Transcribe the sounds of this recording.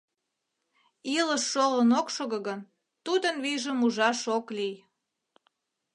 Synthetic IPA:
iləʃːolənokʃoɣəɣən | t̪ud̪ənβiʒəmuʒɑʃoklij

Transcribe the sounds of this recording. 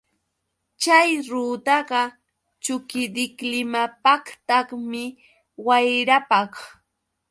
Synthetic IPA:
t͡ʃajɾuːt̪ɑɢɑ | t͡ʃʊkɪd̪ɪklɪmapɑkt̪ɑχmɪ | wajɾapɑχ

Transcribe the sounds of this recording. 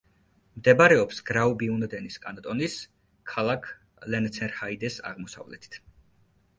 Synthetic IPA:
md̪ɛbaɾɛɔpsɡ̥ɾaubiund̪ɛniskʼant̪ʼɔnis | kʰalˠakʰ | lɛnt̪sʰɛɾhaid̪ɛsa̰ʁmɔsa̰vlɛ̰t̪ʰi̥t̪ʰ

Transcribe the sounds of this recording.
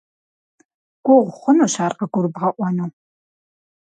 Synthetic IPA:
ɡ̥ʷɔʁʷχʷʊnuɕaːrqɐɡʷʊrbʁɐʔʷɔnuː

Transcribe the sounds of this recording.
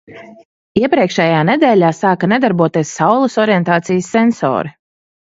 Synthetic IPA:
iɛpɾiɛkʃɛjaːnɛd̪ɛːlʲaːsaːkanɛd̪aɾbuɔt̪iɛsːawlˠusɔɾijɛnt̪aːt̪sijəsːɛnsɔ̰ːɾi

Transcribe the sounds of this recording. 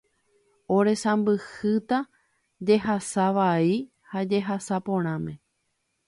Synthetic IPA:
oɾe̞sãmbɨhɨt̪a | d͡ʒe̞ɦasaʋai | had͡ʒeɦasapõ̞ɾ̃ãmẽ̞

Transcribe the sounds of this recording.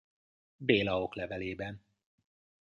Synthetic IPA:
beːlɒoklɛvɛleːbɛn

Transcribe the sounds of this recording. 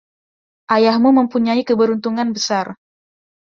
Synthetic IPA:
ʔajahmuməmpuɲaikəbəɾunt̪uŋanbəsar

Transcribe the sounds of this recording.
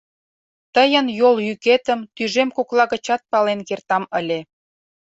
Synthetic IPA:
t̪əjə̆njoljyket̪ə̆mt̪yʒemkoklɑɣə̆t͡ɕɑt̪̚pɑlenkert̪ɑməlʲe

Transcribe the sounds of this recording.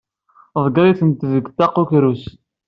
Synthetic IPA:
ðˤɡɾˤiθənt̪ðəɡt̪ːɑqukɾus

